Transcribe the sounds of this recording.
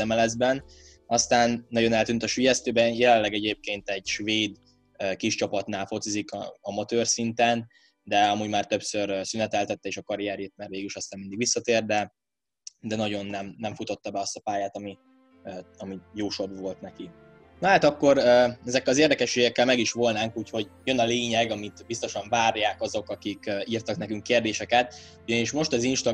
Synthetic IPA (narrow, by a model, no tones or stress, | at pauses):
ɛmɛlɛzbɛn | ɒst̪aːnːɒɟo̞nɛlt̪yːnt̪ɒʃyjɛst̪øːbɛjɛlɛlɛɡɛɟeːp̚keːnt̪ɛɟʃveːd̪ | økiʃt͡ʃɒpɒt̪naːlfo̞t̪sizikɒ̰ɒmɒt̪øːrsint̪ɛn | d̪ɛɒmuːɟmaːrt̪ø̞psørsynɛt̪ɛlt̪ɛt̪ːɛeːʃɒkɒɾijɛɾeːt̪̚mɛrʋeːɡliʃɒst̪aːnmind̪iɡʋisːɒt̪eːrd̪d̪ɛ | d̪ɛnɒɟo̞nːɛmnɛɱfut̪o̞t̪ːɒbɛɒst̪ɒpaːjaːt̪ɒmi | ɒmijoːʃo̞bvo̞lt̪nɛki | nɒɦaːt̪ɒkːo̞ɾøɛzɛkːɛlɒzeːrd̪ɛkɛʃːeːɡɛkːɛlmɛɡiʃʋo̞lnaːŋkuːcho̞ɟjønɒleːɲɛɡɒmit̪bist̪o̞ʃɒɱvaːrjaːkɒzo̞kɒkikøiːrt̪ɒknɛkyŋkːeːrd̪eːʃɛkɛt̪ | uɟɒniʃmo̞ʃt̪ɒzinʃt̪ɒ